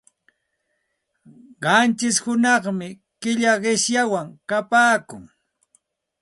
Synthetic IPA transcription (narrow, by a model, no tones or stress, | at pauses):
ɢɑnt͡ʃɪshʊnɑχmɪ | kɪʎaɢɪʃjawaŋkapaːkʊ̰ŋ